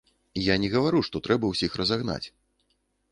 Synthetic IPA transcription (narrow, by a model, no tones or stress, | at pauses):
janʲɛɣɐvaɾuʂt̪ɔt̪ɾɛbɐwsʲixrɐzaɣna̰t͡sʲ